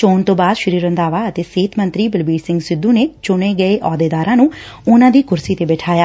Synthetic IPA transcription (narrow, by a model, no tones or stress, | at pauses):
t͡ʃoːnt̪õːbaːd̪ʃəɾiːɾənd̪aːʋaːət̪eːseːt̪mənt̪ɾiːbɪlbiːɖsɪ̃ŋɡsɪd̪ːuːneːt͡ʃʊɽ̃eːɡəeːʔɔːd̪eːd̪aːɾãːnũː | ʊnãːd̪iːkʊɾsiːt̪eːbɛːʈʰaːjaː